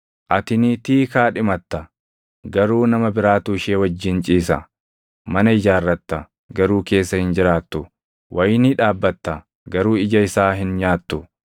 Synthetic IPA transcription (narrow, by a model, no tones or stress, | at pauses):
ʔɐt̪ɪniːt̪iːkaːᶑɪmɐt̪ːɐ | ɡɐɾuːnɐmɐbɪɾaːt̪uːɪʃeːwɐd͡ʒːɪnt͡ʃʼiːsɐ̰ | mɐnɐɪd͡ʒaːrːɐt̪ːɐ | ɡɐɾuːke̞ːsːɐhɪnd͡ʒɪɾaːt̪ːʊ | wʔɐjniɪᶑaːbːɐt̪ːɐ | ɡɐɾuːɪd͡ʒɐɪsaːɦɪnɲaːt̪ːʊ